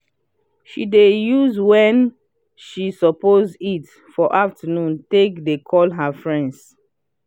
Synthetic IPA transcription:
ʃidejuzwɛ̃n | ʃisɔpozdit | fɔʔaftənũntekdekʰɔlɦafɹɛ̃nds

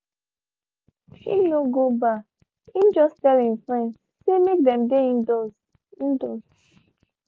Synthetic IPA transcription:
ḭ̃noɡoba | imd͡ʒɔstɛlĩnfɹɛ̃nd | semek̚dɛ̃mdeĩndɔs | ĩndos

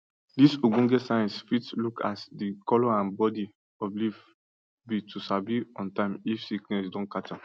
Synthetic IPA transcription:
disoɡũnɡɛtsajɛ̃nsfitlukʰa̰sdikɔlɔãnbɔdi | ɔbliv | bitʰusabiɔ̃ntãɪ̃mifsiknɛs̬dɔ̃nkata

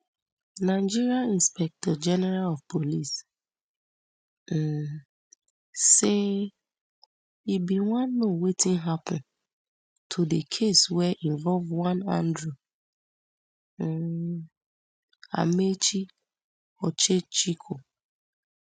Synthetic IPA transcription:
naɪd͡ʒiɾiaĩnspɛk̚tɔd͡ʒɛnɛɾalɔvpʰolis | se | ibiwãnːowetĩnɦapɔ̃n̩ | tʰodekʰeswɛʔĩɱvɔlvwãnã̰ndɾu | a̰met͡ʃi | ɔt͡ʃet͡ʃikʰo

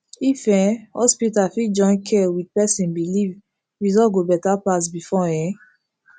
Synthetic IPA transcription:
ifɛ̃hɔ̰spitafid͡ʒɔ̃ɪ̃nkʰɛwid̚pɛsĩnbiliv | ɹizɔɡobɛtapasbifɔɛ̃

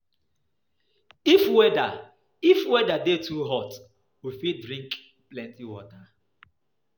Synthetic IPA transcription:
ifwɛda | ifwɛdadetʰuɦɔt | wifit̚dɹĩŋk | plɛ̃ntiwɔta

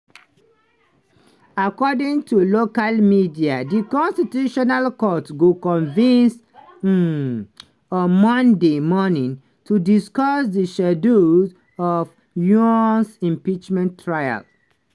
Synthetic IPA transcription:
akɔdĩŋtʰulokalmidiadikɔ̃nstituʃɔnalkɔtɡokɔ̃nvĩns | ɔ̃mɔ̃ndemɔnĩŋ | tʰudiskɔsdiʃɛduz | ɔf | juɔnsĩmpit͡ʃmɛ̃ntʰːɹaja̰l

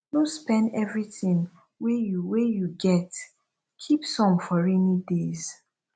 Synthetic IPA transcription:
dõspɛ̃ndɛvɹitĩŋ | wejuwejuɡɛt | kʰipsɔ̃mfɔɹɛnidez

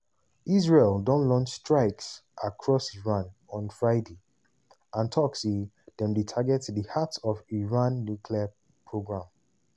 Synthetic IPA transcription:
iz̬ɹeldɔ̃nlɔ̃nt͡ʃstɹaɪksʔakʰɹɔsiɹãnɔ̃nfɹaɪde | ãntʰɔksi | dɛ̃mditʰaɡɛtdihatɔviɹãnːukʰlia | pʰɹoɡɹãm

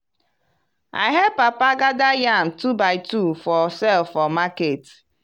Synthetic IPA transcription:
a̰ɪɦɛd̚papaɡadajam̩tubaɪtufɔsɛlfɔmaket

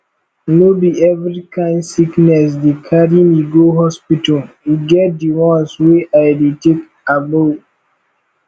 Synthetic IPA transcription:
nobiɛvɹikãɪ̃nsiknɛs̬dikʰaɾĩmiɡoɦɔspitəl | iɡɛt̚diwɔ̃nsweʔaɪdetek | abo

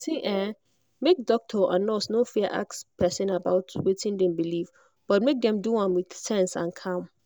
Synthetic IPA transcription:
tʰĩʔɛ̃ | mek̚dɔk̚tʰɔʔã̰nɔsnõfiəʔa̰kspʰɛsɪ̃nabaʊtwetʰɪ̃ndɛ̃mbilif | b̥ɔt̚mek̚dɛ̃mduãnwɪd̥sɛ̃nsã̰nkʰãm

